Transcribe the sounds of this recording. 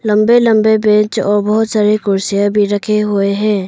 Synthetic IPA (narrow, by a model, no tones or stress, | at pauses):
lə̃mbelə̃mbebẽːt͡ʃɔːɾbəɦʊt̪saːɾekʊɾsijabʱiɾəkʰeɦoeɦɛ̃ː